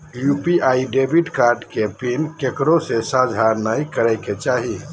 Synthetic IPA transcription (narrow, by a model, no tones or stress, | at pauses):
jupiʔaiɖebʱiʈkaɾɖkepinkekɾosesãd͡ʒʱaɾnajkəɾɛɪket͡ʃaɦi